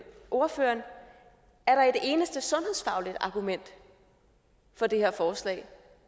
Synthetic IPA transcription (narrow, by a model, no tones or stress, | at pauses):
ʔo̝ɐfø̰ːɐn | æɐɾ̥ɑ̈e̝d̥e̝ːnəsd̥əsɔ̽nhe̝ðˠsfɑ̈ʊlid̥ɑ̈ɡ̥umen̰d̥ | fɒ̽d̥e̝heɐfɒːslɛ̰ɪ